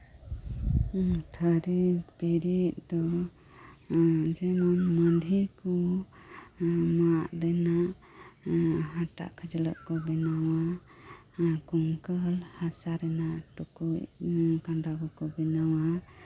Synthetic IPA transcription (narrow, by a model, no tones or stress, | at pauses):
t̪ʰəɾitpiɾit̪̚ˀd̪ɔ | d͡ʒɛnɔnmənd̪ʱikɔ | maʔɾɛnaʔ | ɦaʈa̰ʔkʰəd͡ʒələʔkɔbɛnawa | kuŋkəlhasaɾɛnaʔʈukujkaɳɖaɡɔkɔbɛnawa